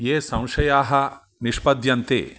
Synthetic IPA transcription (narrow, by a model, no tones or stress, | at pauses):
jeːsɐ̃w̃ʃɐjaːɦɐ̆ | nɪʃpɐd̪jɐnt̪ḛː